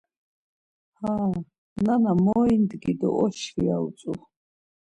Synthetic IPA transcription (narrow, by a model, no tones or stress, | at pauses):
haː | nanamɔind̪ɡid̪ɔ̰ʔɔʃia̰ut͡s̪ʼu